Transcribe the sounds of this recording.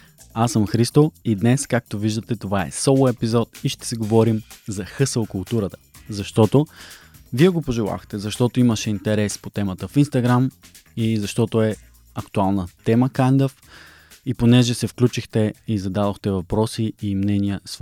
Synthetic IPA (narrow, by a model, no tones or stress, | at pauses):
asəmxɾist̪oid̪nɛskak̚t̪oviʒd̪ət̪ɛt̪ovaɛ̰sɔlˠoɛpizɔt̪iʃt̪ɛ̥sɛɡovɔɾimzɐxɤsəlˠkʊlˠt̪uɾət̪ə̥zɐʃt̪ɔt̪o | viɛɡopoʒɛlˠa̰xt̪ɛzɐʃt̪ɔt̪oiməʃɛint̪ɛɾɛspot̪ɛmət̪əfinst̪ɐɡɾam | izɐʃt̪ɔt̪oɛ | ɐkt̪ualˠnət̪ɛməkand̪əf | iponɛʒɛsɛfklʲut͡ʃixt̪ɛizɐd̪ad̪oxt̪ɛvɐpɾɔsiimnɛniəs